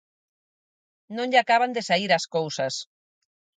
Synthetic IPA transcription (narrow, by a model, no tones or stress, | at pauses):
nõnʎakaβand̪esaiɾɐskowsɐs